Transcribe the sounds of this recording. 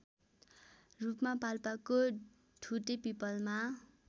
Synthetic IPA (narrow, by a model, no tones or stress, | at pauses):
rupmapalpako | ʈʰuʈepipʌlma